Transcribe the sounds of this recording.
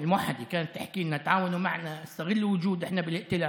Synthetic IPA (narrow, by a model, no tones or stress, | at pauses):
ɪlmʊwaħːad̪ikaːnat̪ːaħkiːnːat̪ʕaːwanuma̰ʕnaɪst̪aɣɪlːwʊd͡ʒuːd̪ʔɪħnabɪlɪʔt̪ɪlaː